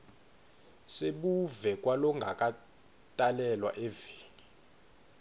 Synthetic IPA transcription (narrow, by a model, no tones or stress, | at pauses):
seɓuvɛk̬ʼwalɔŋɡʱakʼa | tʼalɛlwa̰ʔevi̥ːni